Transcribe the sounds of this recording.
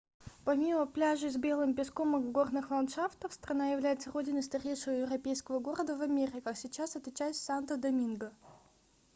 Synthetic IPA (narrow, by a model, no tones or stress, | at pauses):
pɐmʲiməplʲaʐɨzʲbʲe̞lˠɨmʲpʲɪsko̞mɨvɡo̞rnɨxlˠɐnt̪ʂaft̪əfst̪rɐnajɪvlʲæjɪt̪səro̞dʲɪnəst̪ɐɾʲejʂəvəjɪvrɐpʲejskəvəɡoɾəd̪əvɐmʲeɾʲɪkaxsʲɪt͡ɕasɛt̪ʲɪt͡ɕæjst̪ʲsʲant̪əd̪ɐmʲinɡə